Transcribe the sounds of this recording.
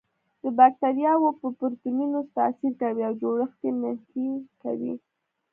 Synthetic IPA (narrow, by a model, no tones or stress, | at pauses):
d̪əbak̚t̪aɾijɑwopəpʊɾt̪ununost̪a̰siɾkawiawd͡ʒoɽəxt̪eməhkika̰wḭ